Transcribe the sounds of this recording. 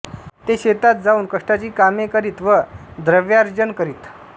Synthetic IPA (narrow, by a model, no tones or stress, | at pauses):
t̪eɕet̪at̪̚d͡zauːnkəʂʈat͡ɕiːkamekəɾiːt̪ʋəd̪ɾəʋjaɾd͡ʑənkəɾiːt̪